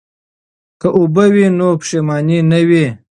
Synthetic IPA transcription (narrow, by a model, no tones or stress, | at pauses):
kəʔubɐwinopʂemɑːninɐwi